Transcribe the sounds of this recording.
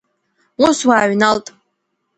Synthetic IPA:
uswaːɥnaltʼ

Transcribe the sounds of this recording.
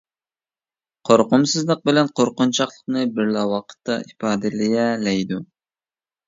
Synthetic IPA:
qʰoɾqʊmsɨzlˠəq̚bɪlɛnqʰoɾqʊnt͡ʃʰɑχlˠəqnɨbɪɾlɑwɑqʰə̥t̪ːɑ̰ʔipɑːd̪ɨlɪjɛlɛjd̪u

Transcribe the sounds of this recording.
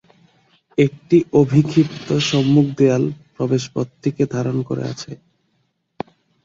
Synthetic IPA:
ek̚ʈiʔobʱikʰipt̪oʃɔmːuk̚ʰd̪ealpɾɔbeʃpot̪ːiked̪ʱaɾonkoɾḛa̰t͡ɕʰe

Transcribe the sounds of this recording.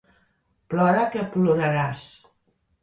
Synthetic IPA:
plɔɾakepluɾaɾas

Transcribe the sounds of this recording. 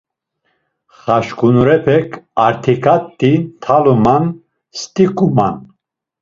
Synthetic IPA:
χaʃkʼunuɾɛpʰɛkʰaɾt̪ʰikʰat̪ʼːint̪ʰaluman | st̪ʼikʼuma̰n

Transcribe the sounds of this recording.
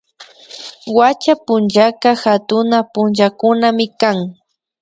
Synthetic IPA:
wat͡ʃapʊnʒakaxat̪ʊnapʊnʒakʊnamɪkaŋ

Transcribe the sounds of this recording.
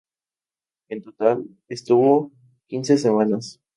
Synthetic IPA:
ent̪ot̪al | est̪uβo | kinsesemãnas

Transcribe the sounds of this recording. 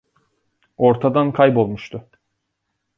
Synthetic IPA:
o̞ɾt̪ʰad̪ankʰajbo̞lˠmuʃt̪ʰʊ

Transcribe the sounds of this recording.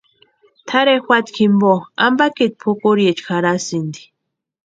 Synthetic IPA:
t̪ʰaɾexʷwʷat̪kʰimboa̰mbakit̪̚pʰukuɾjet͡ʃxaɾasind̪i̥

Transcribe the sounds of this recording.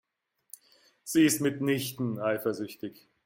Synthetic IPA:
z̥iːɪstmɪtnɪçtn̩ʔaɪfɐzʏçtɪç

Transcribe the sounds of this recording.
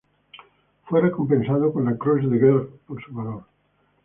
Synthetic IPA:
fwereko̞mpensaðokonlakɾozðeɣelfponsuβaðoɾ

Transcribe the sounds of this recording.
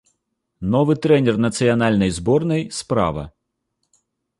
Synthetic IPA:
nɔvɨt̪ɾɛnʲɛrnɐt̪sɨjɐnalʲnɐjzbɔrnɐjspɾa̰ʋɐ̰

